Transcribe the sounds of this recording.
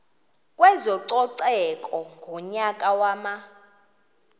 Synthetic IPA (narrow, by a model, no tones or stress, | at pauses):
kʼwɛzɔǀɔǀɛkʼɔŋɡʱuɲakʼawaːma